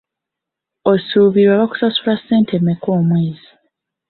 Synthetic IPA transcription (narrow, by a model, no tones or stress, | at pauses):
osuːβiɾwaβaku̥sasulasːe̞ːntʰemeko̞ːmweːzi